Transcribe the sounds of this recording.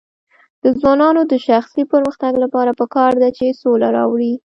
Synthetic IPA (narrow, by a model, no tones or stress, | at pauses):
d̪̥əzwɑnɑnod̪əʃaxsipəɾməxt̪aɡlapɑɾapəkɑɾd̪at͡ʃesolaɾɑ̰wɽi